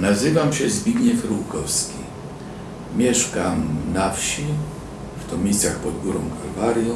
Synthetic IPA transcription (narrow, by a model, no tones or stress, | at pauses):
nazɘvamɕɛzbʲiɡɲɛfɾuwkɔfskʲḭ | mʲjɛʂkamnafɕi | ft̪ɔmʲisʲjaxpɔd̪̚ɡuɾɔ̃m̃kʰalvaɾjɔ̃